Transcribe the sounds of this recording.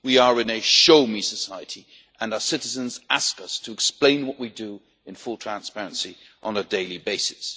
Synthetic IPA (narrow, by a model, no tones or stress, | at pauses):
wiə˞ɨ̃nɨʃoʊmisəsaɪɨɾi | ʔə̃naʊə˞sɪɾɨzə̃nzaskʌstʰəːksplẽɪ̃nwʌʔwidə | ɨ̃nfʊlˠtʰɹ̥æ̃nspæɹɨ̃nsiʔə̃nədeɪlˠibeɪsɨ̥s